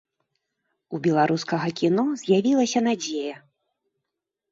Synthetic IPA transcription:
ubʲɛlˠaɾuskɐɣɐkʲinɔzʲjavʲilˠɐsʲɐn̪ad͡zʲejɐ

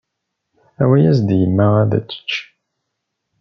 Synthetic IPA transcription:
æwæjæsd̪jəmːæʁæðæ̰t͡sːə̥t͡ʃː

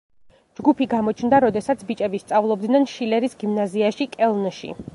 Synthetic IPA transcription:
d͡ʒɡupʰiɡamɔt͡ʃʰnd̪aɾɔd̪ɛsat̪sʰbit͡ʃʼɛbist̪sʼavlˠɔb̚d̪nanʃilɛɾisɡimnaziaʃikʼɛlˠnʃḭ

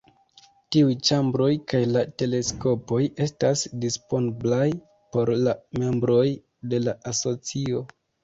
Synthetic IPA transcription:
tiujt͡ʃambɾo̞jkajlate̞le̞sko̞po̞je̞stasdispo̞nblaj | po̞ɾlame̞mbɾo̞j | de̞laʔaso̞t͡sio̞

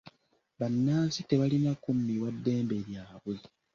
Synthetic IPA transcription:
βanːaːnsite̞βalinakumːiwadːe̞ːmbe̞ɾjaːβwe̞

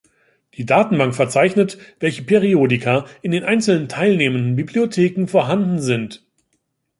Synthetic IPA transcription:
d̥iːdaːtn̩baŋktfɛɐt͡saɪçnətv̥ɛlçəpʰeʁioːdikʰɐʔɪndeːnʔaɪnt͡sl̩nəntʰaɪlneːməndn̩bibliotʰeːkŋ̩foːɐɦandn̩zɪnt

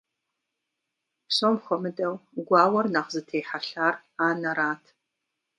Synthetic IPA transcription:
ɕomχʷɔmɨdɐwɡʷɑːwɐrnaχzɨtʰeːħaɬaːr | aːnɐɾaːtʰ

